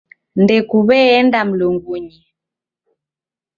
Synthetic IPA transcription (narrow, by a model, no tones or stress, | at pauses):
ndɛkuβɛɛndam̩lɔŋɡuɲi